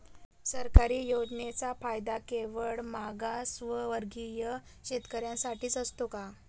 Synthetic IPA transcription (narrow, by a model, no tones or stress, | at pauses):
səɾkaɾiːjod͡znet͡safajd̪akeʋəɭmaɡasʋəʋəɾɡijə | ɕet̪kəɾjãsaʈiːt͡səst̪oka